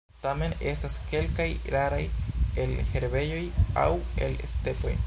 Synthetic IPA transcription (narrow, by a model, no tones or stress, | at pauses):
tame̞ne̞staske̞lkajɾaɾajelhe̞ɾbe̞jo̞ja̰we̞̰lḛste̞po̞̰j